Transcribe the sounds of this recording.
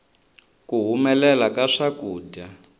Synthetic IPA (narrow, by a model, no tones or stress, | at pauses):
kuɦumɛlɛlakaʂakuːɟa